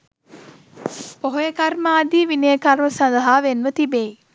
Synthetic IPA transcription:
poɦojəkarmaːd̪iːʋinəjəkarməsand̪ɐɦaːʋenʋət̪ibei

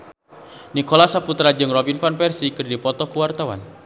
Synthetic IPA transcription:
nikolasaput̪ɾad͡ʒɨŋrɔbinfanfɛrsikɨrdipɔt̪ɔkuwart̪awa̰n

